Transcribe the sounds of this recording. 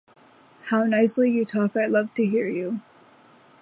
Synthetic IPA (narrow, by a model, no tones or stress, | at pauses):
haʊnaɪslijɨtʰɔkaɪlʌv̥tʰɨɦiɹjʉ